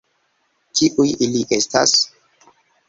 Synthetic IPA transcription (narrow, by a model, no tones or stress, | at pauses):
tʰiʔujiliʔe̞sta̰s